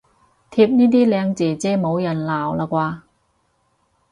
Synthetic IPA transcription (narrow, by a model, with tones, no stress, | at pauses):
t̪ʰiː˧p̚niː˥t̪̬iː˥lɛː˨˧ŋt͡siː˨˩t͡sɛː˧˩mo˨˧wjɐ˨˩nlaː˨˩wlaː˧kʷaː˧